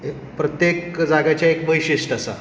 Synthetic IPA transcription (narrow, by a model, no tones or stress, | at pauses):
e | pɾət̪jekd͡zaɡat͡ɕjaekʋəjɕiʂʈasa̰